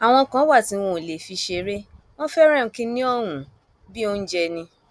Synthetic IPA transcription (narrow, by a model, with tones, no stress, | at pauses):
a˨w̃ɔ̃˧kã˨˦wa˦˨tĩ˨˧˦wõ˧˨le˨fi˧ʃe˧ɾe˦ | w̃ɔ̃˦fɛ˦ɾ̃ɛ̃˦˨˧kĩ˦nĩ˦ɔ˦˨ɾũ˨ | bi˦o˦n̩˦d͡ʒɛ˧nĩ˧